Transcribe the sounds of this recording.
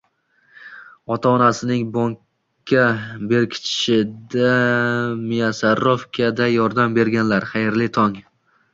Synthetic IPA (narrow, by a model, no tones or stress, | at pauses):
ɒt̪ʰaɒnasɪnɪŋbɒŋkʰʲː | abe̞ɾkʲʰɪ̥t͡ʃt͡ʃɪd̪a | mijasaɾofkʲʰad̪ajɒɾd̪ambe̞ɾɡʲanlaɾχajɪɾlɪt̪ʰɒŋ